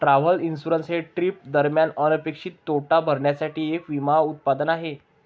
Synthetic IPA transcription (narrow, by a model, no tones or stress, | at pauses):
ʈɾaʋəlinsuɾənsɦeʈɾip̚d̪əɾmjanənəpekʂiːt̪ːoʈabʱəɾɳjasaʈiːekʋimaut̪̚pad̪ənaɦe